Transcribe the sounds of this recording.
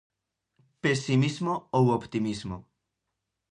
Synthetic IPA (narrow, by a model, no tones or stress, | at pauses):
pesimizmoowopt̪imizmo